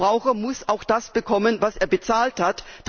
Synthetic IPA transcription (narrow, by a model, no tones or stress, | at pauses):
ʁaʊxɐmʊsaʊxd̥asb̥əkʰɔmənvaseːɐbət͡saːlthatd̥